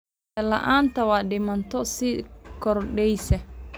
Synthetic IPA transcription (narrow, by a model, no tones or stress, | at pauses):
ɛla̰ʔantawadɛmantɔsikɔɾɗɛjsɛ